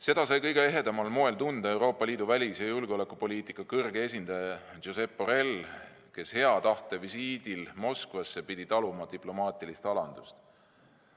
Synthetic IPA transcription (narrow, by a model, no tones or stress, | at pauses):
se̞d̪̥ɑsɑjkɤjɡ̥e̞e̞ɦe̞d̪̥ɑmɑlmo̞e̞lt̪und̪ɑe̞wɾo̞ːpˑːɑliːd̪̥uvælʲisɑjulɡo̞le̞kːˑupo̞lʲiːt̪ikːˑɑkɤrɡee̞sʲind̪̥ɑjɑʒose̞pːo̞ɾe̞l | ke̞she̞ɑt̪ɑht̪evisiːd̪̥ilmo̞skvɑsːe̞pid̪̥ʲit̪ɑlumɑd̪̥iplo̞mɑːt̪ˑilist̪ɑlɑnd̪̥ust̪